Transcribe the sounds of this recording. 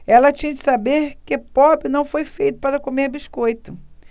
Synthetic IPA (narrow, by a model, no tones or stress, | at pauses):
ɛlɐt͡ʃĩɲɐd͡ʒɪ̥sabeɾkɪpɔbɾɪnɐ̃w̃fojfejt̪ʊ̥paɾɐkomeɾbiʃkojt̪ʊ